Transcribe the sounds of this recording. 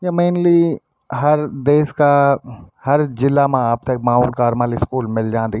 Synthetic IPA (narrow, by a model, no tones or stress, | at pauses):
jamẽːnli | ɦɐɾd̪eːska | hɐɾd͡ʒɪlːamãaːp̚t̪ek̚mãːuːɾkaːɾmãːliskuːlmɪld͡ʒãːnd̪i